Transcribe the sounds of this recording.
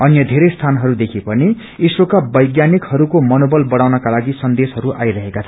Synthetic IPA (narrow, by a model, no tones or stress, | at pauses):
ʌnjʌd̪ʱeɾʌjst̪ʰanɦʌɾud̪ekʰepʌni | isɾokabʌjɡjanikhʌɾukomʌnobʌlbʌɽawnʌkalaɡisʌnd̪esɦʌɾuʔajɾʌɦekat͡sʰʌ